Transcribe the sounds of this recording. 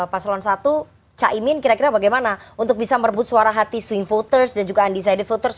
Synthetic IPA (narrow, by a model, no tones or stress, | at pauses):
paslɔnsat̪u | t͡ʃaʔimɪnkiɾakiɾabaɡajmanaunt̪ʊk̚bisamərbʊt̪̚suaɾaɦat̪iswɪŋfot̪ərsdand͡ʒuɡaːndis̬ajdɛt̪̚fot̪ərs